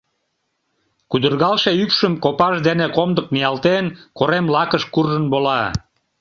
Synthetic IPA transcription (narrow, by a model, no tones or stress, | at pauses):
kud̪ərɣɑlʃeypʃəmkopɑʃd̪enekomd̪ək̚mijɑlt̪enkoɾemlɑkəʃkurʒənbolɑ